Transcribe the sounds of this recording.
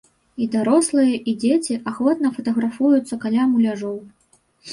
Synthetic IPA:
id̪aɾɔslˠɨjɐʔid͡zʲet͡sʲiʔaxvɔt̪̚nɐfɐt̪ɐɣɾafujut̪sːɐkalʲamulʲaʐɔw

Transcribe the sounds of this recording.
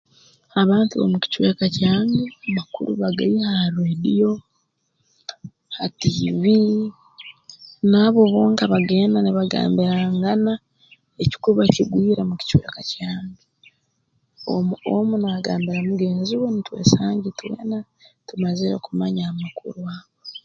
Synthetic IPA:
aβaːntuβo̰muci̥t͡ʃwekacaːɲiamakṵɾuβaɡaihahɾweːdijo̞ | hatiːβi | naːβo̞βo̞ːŋkaβaɡe̞ːnaniβaɡa̰ːmbiɾaŋɡana | eci̥kuɾuβaciɡwiːɾemuci̥t͡ʃwḛːkacaːmɡi | o̰muo̰munaɡaːmbiɾamuɡe̞ːnziwonitwe̞̰ːsaːɲɟitwḛːna | tumazeɾekumaɲaːmakṵɾuaβo

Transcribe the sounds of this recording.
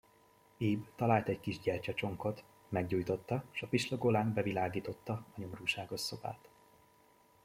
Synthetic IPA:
iːbt̪ɒlaːlt̪ɛɟkiʒɟɛrt͡ʃɛt͡ʃo̞ŋko̞t̪ | mɛɡɟuːjt̪o̞t̪ːɒʃɒfiʃloɡolaːnbɛvilaːɡiːt̪o̞t̪ːɒɒɲo̞mruːʃaːɡo̞ʃso̞ba̰ːt̪

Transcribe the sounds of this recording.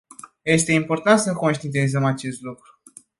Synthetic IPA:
je̞st̪e̞impo̞rt̪ant̪səko̞nʃt̪int̪ezəmat͡ʃe̞st̪lukɾu̥

